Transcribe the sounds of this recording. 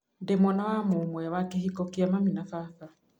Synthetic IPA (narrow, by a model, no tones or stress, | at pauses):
ndemɔnawamomwɛwakehikɔkeamaminafaθa